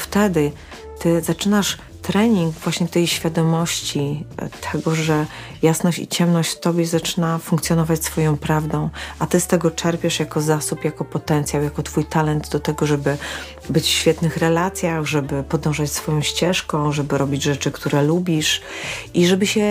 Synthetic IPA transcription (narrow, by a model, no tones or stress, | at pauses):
ft̪ɛd̪ɘ | t̪ɘzat͡ʂɘnaʂ | t̪ɾɛɲiŋɡvwaɕɲɛt̪ɛjɕfʲjad̪ɔmɔɕt͡ɕit̪ʰɛɡɔʐɛ | jasnɔɕt͡ɕḭt͡ɕɛmnɔɕt͡ɕft̪ɔbʲjɛzat͡ʂɘ̥nafuŋkt̪sʲjɔnɔvat͡ɕsfɔjɔ̃w̃pɾavd̪ɔ̃w̃ʔat̪ɘst̪ɛɡɔt͡ʂɛɾpʲjɛʂjakɔzasupjakɔpɔt̪ɛnt̪sʲjawjakɔt̪fujt̪alɛnd̪d̪ɔt̪ɛɡɔʐɛbɘ | bɘt͡ɕfɕfʲjɛt̪nɘxɾɛlat̪sʲjaɣʐɛbɘpɔd̪ɔ̃w̃ʐat͡ɕsfɔjɔ̃w̃ɕt͡ɕɛʂkɔ̃w̃ʐɛbɘɾɔbʲid͡ʑʐɛt͡ʂɘkt̪uɾɛlubʲiʂʔiʐɛbɘɕɛ